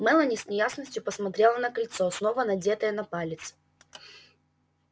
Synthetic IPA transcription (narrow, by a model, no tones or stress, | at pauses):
mɛlˠənʲɪsʲnʲɪjasnəsʲtʲjʊpəsmɐt̪ɾʲelˠənɐkɐlʲt̪sosnovənɐdʲet̪əjənɐpalʲɪt̪sɨ̥